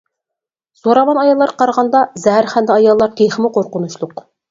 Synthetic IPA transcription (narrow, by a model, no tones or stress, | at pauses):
z̥oɾɑmɑnɑjɑlˠːɑɾqʰɑɾʁɑnd̪ɑzæɦæɾχænd̪ɪɑjɑlˠːɑɾqʰeχɪmʊqʰoɾqʊnuʃlˠʊq